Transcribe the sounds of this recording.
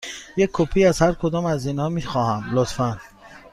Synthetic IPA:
jekʰːopʰiːæzhæɾkʰod̪ɒːmæzinhɒːmixɒːhæmlot̪fæn

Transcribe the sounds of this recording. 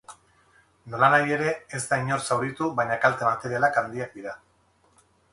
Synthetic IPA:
no̞lanaje̞ɾe̞ezd̪aiɲo̞ɾsawɾit̪uβajɲakalt̪emat̪e̞ɾialakand̪iak̚d̪iɾa

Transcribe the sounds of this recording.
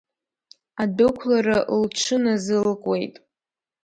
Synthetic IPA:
adokʷʰlaraʔlʈ͡ʂʰɨnazɨlkʼwe̞jtʼ

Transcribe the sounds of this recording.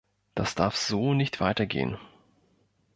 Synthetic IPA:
d̥asd̥aɐfz̥oːnɪçtv̥aɪtɐɡḛːə̰n

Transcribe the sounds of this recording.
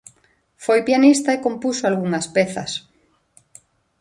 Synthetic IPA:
fojpjanist̪aekompusoalɣuŋɐspɛθɐ̰s

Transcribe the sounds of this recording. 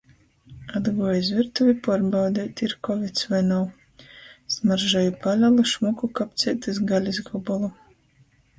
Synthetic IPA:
ad̪ɡuɔjizvʲiɾt̪uvʲipɔɾbawd̪ʲɛːt̪iɾkɔvʲit̪svajnaw | smaɾʒajupalʲalˠɨʃmukukap̚t̪sʲiɛt̪ɨzɡalʲizɡɔbɔlˠu

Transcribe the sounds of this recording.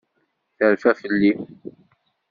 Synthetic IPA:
θəɾfæθəlːiθ

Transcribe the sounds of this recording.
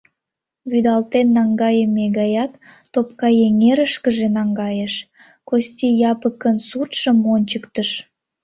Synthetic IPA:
βyd̪ɑlt̪enːɑŋɡɑjəmeɡɑjɑkt̪op̚kɑjeŋeɾəʃkəʒenɑŋɡɑjəʃ | kostʲijɑpəkːənsut̪ʃə̆monʲt͡ɕəkt̪əʃ

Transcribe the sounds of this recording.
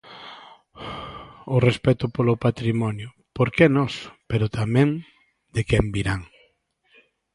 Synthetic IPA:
ʊrespɛt̪ʊpolʊpat̪ɾimɔnjʊ | poɾkenɔspeɾʊt̪amɛ̃ŋ | d̪ekɛmbiɾaŋ

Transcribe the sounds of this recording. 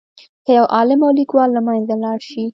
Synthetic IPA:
kəjawʔɑlɪmawlikwɑlːamajnzalɑɽʃi

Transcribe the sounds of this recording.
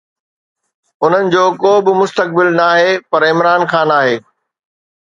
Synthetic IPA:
ʊn̤ənɪ̆d͡ʑoːkoːbɪmʊst̪ək̚bɪlnaːɦeːpɐɾɪmɾaːnxãːnaːɦeː

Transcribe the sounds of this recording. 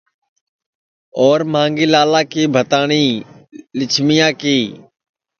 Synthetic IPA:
ɔːɾmãːŋɡeːlaːlãːkeːbʱət̪aːɳiːlɪt͡ʃʰmɪjãːkeː

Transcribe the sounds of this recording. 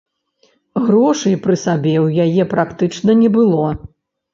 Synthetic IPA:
ɣɾɔʂɐjpɾɨsabʲɛwjajɛpɾakt̪ɨt͡ʂnɐnʲɛbɨlˠɔ

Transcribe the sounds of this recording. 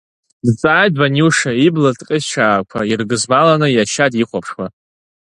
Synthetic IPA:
dt͡sʼaːjd̚banuʂaiblatʼqʲʼɪzʈ͡ʂʰaːkʷʰairɡɨzmalanɨjaʃadiχʷʰapʰʂwa

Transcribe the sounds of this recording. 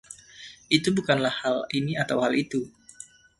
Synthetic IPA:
ʔit̪ubukanlahːaliniat̪awhalit̪u

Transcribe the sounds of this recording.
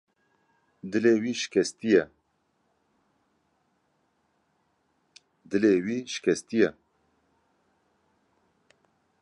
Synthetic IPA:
d̪ɨleːwiːʃɪ̥kʰɛst̪ijɛ | d̪ɨleːwiːʃɪ̥kʲʰɛst̪ijɛ

